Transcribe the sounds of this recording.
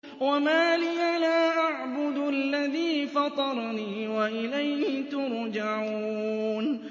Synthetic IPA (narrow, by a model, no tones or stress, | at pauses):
wamaːliːʔalaːʔaʕbʊd̪alːaðiːfɑt̪ˤɑɾˤniːwaʔɪlajhɪt̪ʊɾˤd͡ʒaʕuːn